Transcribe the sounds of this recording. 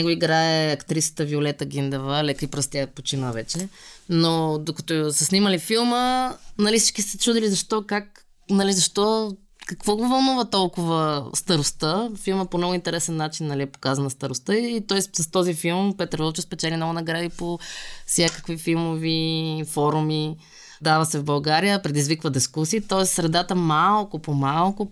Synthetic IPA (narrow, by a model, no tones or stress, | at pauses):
ɛɡoiɡɾaɛɐkt̪ɾisə̥t̪əviolɛt̪əɡʲind̪əvəlɛkəipɾəst̪ʲapot͡ʃinəvɛt͡ʃɛnod̪okɐt̪osəsniməlifilˠmənɐlisi̥t͡ʃkisɛt͡ʃud̪ilizɐʃt̪ɔkak | nɐlizɐʃt̪ɔ | kɐkvɔɡovɐlˠnuvət̪ɔlˠkʊvəst̪ɐɾʊst̪əfilˠməpomnoɡʊint̪ɛɾɛsɛnːat͡ʃinːɐliɛpo̥kazɐnəst̪ɐɾost̪əit̪ɔɛssɐst̪ɔzifilˠmpɛt̪ɾvɔlˠt͡ʃəspɛt͡ʃɛlinoɡnɐɡɾad̪ipofsʲjakə̥kvifilˠmovifɔɾumi | d̪avəsɛvbɐlˠɡaɾijəpɾɛd̪izvikvəd̪ɛskusiːt̪ɔɛssɾɛd̪at̪əmalˠkʊpomalˠkʊ